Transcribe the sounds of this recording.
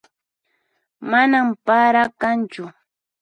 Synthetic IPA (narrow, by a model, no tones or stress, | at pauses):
manampaɾakant͡ʃʊ